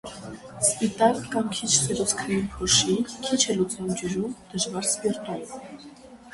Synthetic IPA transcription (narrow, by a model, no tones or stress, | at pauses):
spit̪ɑlkɑmkʰit͡ʃʰsɛɾɔt͡sʰk̪ʰɛjinpʰɔʃikʰit͡ʃʰɛlut͡snumd͡ʒəɾumd̪̥əʒvɑɾspiɾt̪um